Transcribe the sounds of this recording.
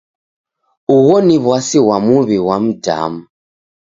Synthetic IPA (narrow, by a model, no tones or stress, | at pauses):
uɣɔniβwasiwamuβiwam̩da̰mu